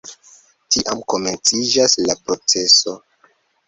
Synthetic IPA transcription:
tiʔamko̞me̞nt͡sid͡ʒaslapɾo̞t͡se̞so̞

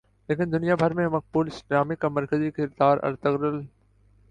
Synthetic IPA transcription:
leːkɪnd̪ʊnijabʱɐɾmẽmɐq̚buːlɪsʈɾaːmikamɐɾkəzikɪɾd̪aːɾɐ̰ɾt̪əɣɾəl

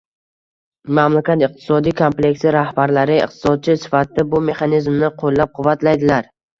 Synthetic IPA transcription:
mamlakʲat̪ɪq̚t̪ʰɪ̥sɒd̪ijkʰomplʲe̞kʲsɪɾahbaɾlaɾɪɪ̰qt̪ʰɪ̥sɒd̪̚t͡ʃʰɪsɪ̥fat̪ɪd̪abʊme̞χanizmnɪqʰolːap̚qʰʊvːat̪lajd̪ɪlaɾ

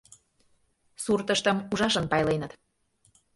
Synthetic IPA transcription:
surt̪əʃt̪əmuʒɑʃənpɑjlenə̆t̪

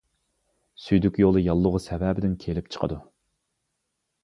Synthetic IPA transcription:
syjd̪ykʲjolˠɨjɑlˠːʊʁʊsɛvɛbɪd̪ɪnkʲʰelɪp̚t͡ʃʰə̥qʰə̰d̪u

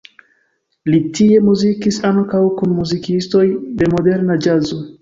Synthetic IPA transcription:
litie̞muzikisaŋkawkunmuzikisto̞jde̞mo̞de̞ɾnad͡ʒazo

